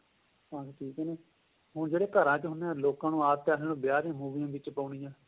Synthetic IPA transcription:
ãːʈʰiːkɛːneː | ɦʊɳd͡ʒeːɽeːkəɾãːt͡ʃɦʊnãːloːkãːnũːaːp̚t̪jaːseːõːbɪjaːɾjãːmuːʋijãːʋɪt͡ʃpəːɳiːãː

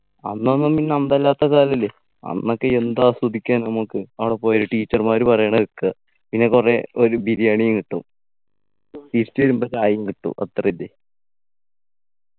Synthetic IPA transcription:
ɐnːonːɐmpinːeɐmd̪ɐlːaːt̪ːɐkaːlɐlːe | ɐ̰nːo̞kːeend̪asɐd̪ʱikʲːaːnnɐmukːɨɐʋɐɽepːoːjɐɾuʈiːt͡ɕːɐrmaːɾupɐrɐjaːɳɐikːɐ | pinːe̞kure̞o̞ɾubʱiðijaːɳijuŋkiʈːum | t̪iːɾit͡ɕːʋɐɾumbot͡ɕaːjuŋkiʈːṵʔɐ̰t̪rɐilːe

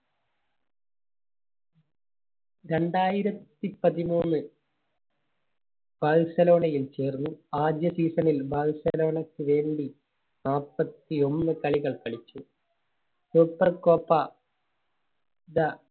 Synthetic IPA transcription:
ɾe̞ɳɖaːjiɾɐt̪ːipɐðimuːnːɨ | b̥aːɻsɐlo̞ːnɐjilt͡ɕe̞ːrnːuaːd̪jɐsiːsɐnilbaːɻsɐlo̞ːɳɐkːɨʋe̞ːɳɖi | naːpːɐt̪ːio̞nːɨkɐɭiɣɐɭkɐɭit͡ɕːu | suːpːɐrko̞ːpːɐ | d̪ɐ

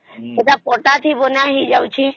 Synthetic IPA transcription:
ed̪apoːʈat̪ʰibonaɦid͡ʒəut͡ʃʰi

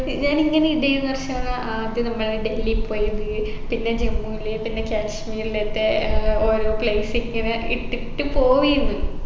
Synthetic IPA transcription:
ɲaːniŋːɐneiɽɐjunːɐrɐɕɐaɭɐʔaːd̪jɐnɐmːɐɭɖe̞lːipːoːjunːi | pinːe̞d͡ʑemːuilepinːe̞kʲaːɕmiːrilet̪ːeoːɾoːpɭejsiŋːɐneiʈːiʈːɨpo̞ːʋijunːu

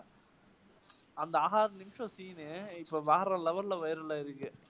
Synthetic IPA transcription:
ɐnd̪ɐɐɦaːɾnɪmʂõsiːneɪpːoːʋaːɾɐ̃ːlɐʋɐɾlɐʋɐjɪɾɐlaːɪɾɯkːɯ

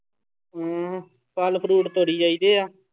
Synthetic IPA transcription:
ɦãː | pəlpʰɾuːʈt̪oːɽiːd͡ʒaːiːd̪eːaː

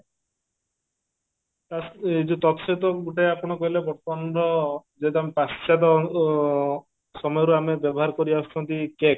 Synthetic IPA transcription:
t̪aid͡ʒut̪ɔt̪ɔset̪ɔɡuʈajapɔɽ̃ɔkɔɦilebɔɾt̪ɔmanɾɔd͡ʒet̪amepast͡ʃad̪ɔ | sɔmɔjɔɾuamebjɔbɔɦaɾɔkɔɾiasʈʰɔnt̪ikek

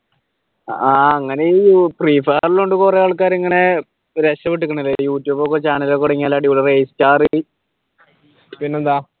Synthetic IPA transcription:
aːɐŋːɐneiupriːfaːriluɳɖɨkurejaːɭkaːɾiŋːɐne̞ | ɾeɕɐʋiʈ̬ːukʲːɐɳɐilːejuːtːjuːbok̬ːot͡ɕaːnɐlokːuɽɐŋːiaːlːaːɖjuːɭɐrejstaːrɨ | pinːeond̪aː

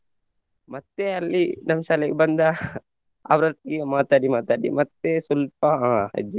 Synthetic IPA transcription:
mɐt̪ːeɐlːinɐmsalɐɡebɐnd̪ɐ | ɐ̰ʋɾɐt̪̚ɡemaːt̪aːɽimaːt̪aːɽḭmɐt̪ːesulpɐɦaːɦɐ̰d͡ʒi

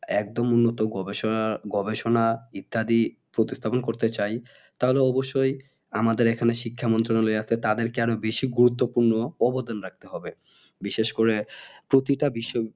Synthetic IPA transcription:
ɛk̚d̪omunːot̪oɡɔbeɡɔbeʃonait̪ːad̪i | pɾot̪ist̪ʰaponkoɾt̪et͡ɕaj | t̪aɦoleɔboʃːoj | amad̪eɾekʰaneʃikʰːamɔnt̪̬ɾonaloeasʰet̪ad̪eɾkeaɾobeʃiɡuɾut̪ːopuɾnoɔbod̪anɾak̚t̪eɦɔbe | biʃeʃkoɾepɾot̪iʈabiʃːo

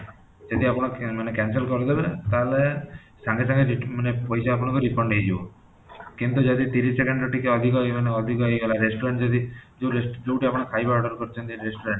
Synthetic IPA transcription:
d͡ʒɔd̪iapɔɽ̃ɔmanekɛns̬elkɔɾɔd̪ebet̪ale | saŋɡes̬ãŋɡeɾimanepɔjsaapɔɽ̃ɔ̃ŋkuɾipɔɳɖɦejd͡ʒibo | kint̪ud͡ʒɔd̪it̪iɾissekeɳɖɾɔʈikeɔd̪ʱikɔmaneɔd̪ʱikɔejɡalaɾesʈɔɾeɳʈd͡ʒɔd̪id͡ʒeɾesd͡ʒewʈiapɔɽ̃ekʰajbaɔɖɔɾkɔɾt͡ʃʰɔnt̪iɾesʈɔɾeɳʈ

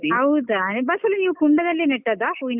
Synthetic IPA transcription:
ɐwd̪anbɐsɐlːɐniːʋukuɳɖɐd̪ɐlːeːneʈːɐd̪apuːin

